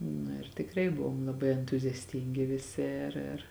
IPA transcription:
ˈnʊ ɪr tʲɪkˈrɐɪ ˈbʊʋoːm lˠɐˈbɐɪ ɛntʊzʲɛsʲˈtʲɪŋʲɡʲɪ ʋʲɪˈsʲɪ ɪr ɪr

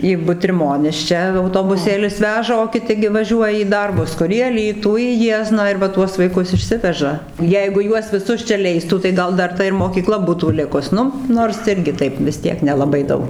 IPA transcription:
iː bʊtʲrʲɪˈmoːnʲɪs ˈt͡ʃʲɛ ɐʊtoːbʊˈsʲeːlʲɪs ˈʋʲæːʒɐ oː kʲɪˈtʲɪ ɡʲɪ ʋɐˈʒʲuɔjɛ iː ˈdɐrbʊs ˈkʊr iː ɐˈlʲiːtuː iː ˈjiɛznɑː ɪr ʋɐ ˈtuɔs ʋɐɪˈkʊs ɪʃʲˈsʲɪʋʲɛʒɐ ˈjɛɪɡʊ ˈjuɔs ʋʲɪˈsʊs t͡ʃʲɛ ˈlʲɛɪstuː tɐɪ ˈɡɐlˠ ˈdɐr ˈtɐ ɪr moːkʲiːˈklˠɐ ˈbuːtuː ˈlʲɪkʊs ˈnʊ ˈnoːrs ɪrʲˈɡʲɪ ˈtɐɪp ʋʲɪs tʲiɛk nʲɛlˠɐˈbɐɪ ˈdɐʊk

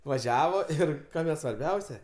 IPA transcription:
ʋɐˈʒʲæːʋoː ˈɪr ˈkɑːmʲɛ sʋɐrʲˈbʲɛʊsʲɛ

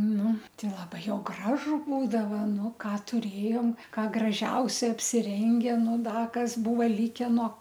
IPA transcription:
ˈnʊ ˈtɐɪ lˠɐˈbɐɪ ˈjɛʊ ˈɡrɑːʒʊ ˈbuːdɐʋɐ ˈnʊ ˈkɑː tʊˈrʲeːjoːm ˈkɑː ɡrɐˈʒʲɛʊsʲɛ ɐpʲsʲɪˈrʲɛŋʲɡʲɛ ˈnʊ ˈdɐ ˈkɐs ˈbʊʋoː ˈlʲɪkʲɛ noː

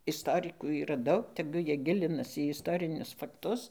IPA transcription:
ɪsˈtoːrʲɪkuː iːˈrɐ ˈdɐʊk tʲɛˈɡʊ ˈjiɛ ˈɡʲɪlʲɪnɐs iː ɪsˈtoːrʲɪnʲʊs fɐkˈtʊs

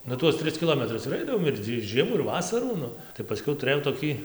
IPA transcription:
ˈnʊ ˈtuɔs ˈtʲrʲɪs kʲɪˈlˠoːmʲɛtrʊs ɪr ˈɐɪdɐʋoːm ɪr ˈtʲiː ˈʒʲiɛmɑː ɪr ˈʋɑːsɐruː ˈnʊ tɐɪ pɐˈsʲkʲɛʊ tʊˈrɘjɛʊ toːˈkʲiː

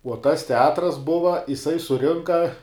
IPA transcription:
uɔ tɐs tʲɛˈɑːtrɐs ˈbʊʋɐ ɪˈsɐɪ sʊˈrʲɪŋkɐ

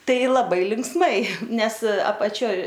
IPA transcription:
ˈtɐɪ lˠɐˈbɐɪ lʲɪŋksˈmɐɪ ˈnʲɛs ɐpɐˈt͡ʃʲoːj

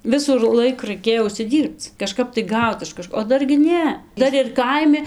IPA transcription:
ˈʋʲɪsuː ɪr ˈlˠɐɪk rɐɪˈkʲeːjoː ʊʃʲsʲɪˈdʲiːrpt͡s kɐˈʃkɐp tɐɪ ˈɡɐʊt ɪʃ kɐˈʃkoː oː ˈdɐr ɡʲɪ ˈnʲɛ ˈdɐr ɪr ˈkɐɪmʲɪ

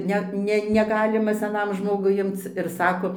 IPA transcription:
ˈnʲɛt nʲɛ nʲɛˈɡɑːlʲɪmɐ sʲɛˈnɐm ˈʒmoːɡʊɪ ˈɪmt͡s ɪr ˈsɑːkoː

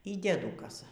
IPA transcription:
iː dʲiɛˈdʊkɐsɐ

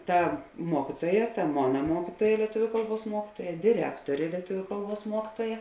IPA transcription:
ˈtɐ ˈmuɔkʲɪtuɔjɛ tɐ ˈmoːnɐ ˈmuɔkʲɪtuɔjɛ lʲiɛˈtʊʋʲʊ ˈkɐlˠˌbuɔs ˈmuɔkʲɪtuɔjɛ dʲɪˈrʲæːktoːrʲeː lʲiɛˈtʊʋʲʊ ˈkɐlˠˌbuɔs ˈmuɔkʲɪtuɔjɛ

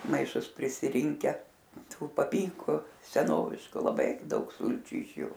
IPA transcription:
mɐɪˈʃʊs pʲrʲɪsʲɪˈrʲɪŋʲkʲɛ ˈtuː pɐˈpʲiːŋkʊ sʲɛˈnoːʋʲɪʃkʊ lˠɐˈbɐɪ ˈdɐʊk ˈsʊlʲt͡ʃʲʊ ɪʃ ˈjʊ

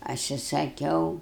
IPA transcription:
ˈɐʃ ɪ sɐˈkʲɛʊ

